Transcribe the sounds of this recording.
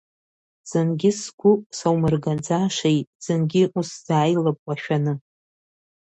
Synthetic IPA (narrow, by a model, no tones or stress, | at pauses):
z̥ɨnɡʲɪskʷʰʊsawmɨrɡand͡zaʂejtz̥ɨnɡʲɪʔusz̥aːjlapʼwaʃᶣanɨ